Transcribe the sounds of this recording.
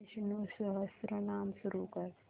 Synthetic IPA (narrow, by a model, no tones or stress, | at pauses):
ʃnusəɦəsɾənaːmʃʊɾukɐɾ